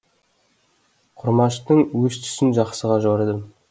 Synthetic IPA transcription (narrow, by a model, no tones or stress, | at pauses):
qʰʊɾmɑʃt̪əɴwɵst̪ʰʏ̥sɪnʒɑqsəʁɑʒoɾed̪əm